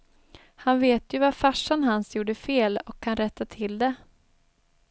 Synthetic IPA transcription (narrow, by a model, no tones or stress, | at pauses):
hanveːt̪ʰjɵvafaʂːanɦansjuːɖəfeːlɔkʰːanɾɛt̪ːat̪ʰɪld̪ɛ